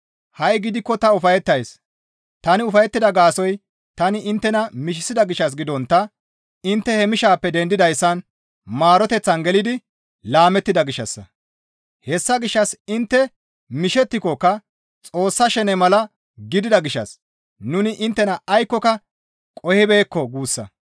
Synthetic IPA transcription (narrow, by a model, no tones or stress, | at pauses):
hɐjɡɪd̪ɪkːɔt̪ɐʊfɐjɛt̪ːɐjs | t̪ɐnɪʊfɐjɛt̪ːɪd̪ɐɡaːsɔj | t̪ɐnɪʔɪnt̪ːɛnɐmɪʃ̬ɪsɪd̪ɐɡɪʃːɐs̬ɡɪd̪ɔnt̪ːɐ | ɪnt̪ːɛhɛmɪʃaːpːɛd̪ɛnd̪ɪd̪ɐjsːɐn | maːɾɔt̪ɛt͡sːɐnɡɛlɪd̪ɪ | laːmɛt̪ːɪd̪ɐɡɪʃːɐ̰sːɐ̰ | hɛsːɐɡɪʃːɐsɪnt̪ːɛ | mɪʃɛt̪ːɪkɔkːɐ | t͡sʼo̞ːsːɐʃɛnɛmɐlɐ | ɡɪd̪ɪd̪ɐɡɪʃːɐ̰s | nʊnɪʔɪnt̪ːɛnɐːjkːɔkɐ | kʼɔhɪbe̞ːkːɔɡuːsːɐ̰